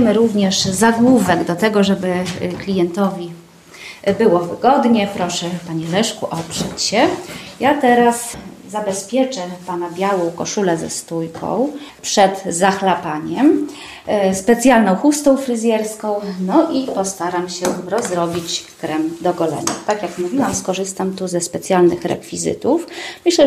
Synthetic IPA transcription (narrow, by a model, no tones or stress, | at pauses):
mɘɾuvɲɛʂzaɡwuvɛɡd̪ɔt̪ɛɡɔʐɛbɘklʲijɛnt̪ɔvʲi | bɘwɔvɘɡɔd̪ɲɛpɾɔʂɛpaɲɛlɛʂkuʔɔpʂɛt͡ɕɕɛjat̪ɛɾaszabɛspʲjɛt͡ʂɛpanabʲjawɔ̃w̃kɔʂulɛzɛ̰st̪ujkɔ̰̃w̃ | pʂɛd̪zaxlapaɲɛm | spɛt̪sʲjalnɔ̃w̃xust̪ɔ̃w̃fɾɘzʲjɛɾskɔ̃w̃nɔʔipɔst̪aɾamɕɛɾɔzɾɔbʲit͡ɕkɾɛmd̪ɔɡɔlɛ̰ɲa̰t̪akʲjaknavʲinawskɔʐɘst̪amt̪uzɛspɛt̪sʲjalnɘxɾɛ̰kfʲizɘ̰t̪ufmɘɕlɛ